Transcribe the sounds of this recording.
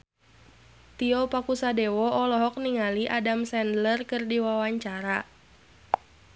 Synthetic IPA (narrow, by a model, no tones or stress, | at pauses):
t̪iɔpakusadɛwɔʔɔlɔɦɔk̚niŋaliʔadamsɛndlərkɨrdiwawaɲt͡ʃaɾa